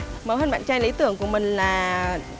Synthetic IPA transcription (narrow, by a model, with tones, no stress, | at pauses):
mə˨˦whəː˧nɓa̰ː˧˨nt͡ɕaː˧jli˨˦˥t̪ɨ̰˧˩əŋku˧˩əmï˨˩ŋ̟laː˨˩